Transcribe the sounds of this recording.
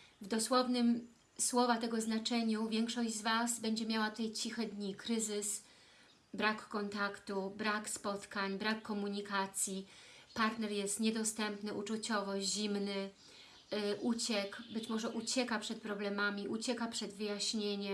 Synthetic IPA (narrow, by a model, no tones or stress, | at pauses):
vd̪ɔswɔvnɘm | swɔvat̪ɛɡɔznat͡ʂɛɲuvʲjɛŋkʂɔʑd͡ʑzvasbɛɲd͡ʑɛmʲjawat̪ut̪ajt͡ɕixɛd̪ɲikɾɘzɘs | bɾakːɔnt̪akt̪ubɾakspɔt̪kaɲbɾakːɔmuɲikat̪sʲji | paɾt̪nɛɾjɛst̪ɲɛd̪ɔst̪ɛmpnɘʔut͡ʂut͡ɕɔvɔɕʑimnɘ | ʔut͡ɕɛkbɘt͡ɕmɔʐɛʔut͡ɕɛkapʂɛt̪̚pɾɔblɛmamʲiʔut͡ɕɛkapʂɛd̪vɘjaɕɲeɲɛ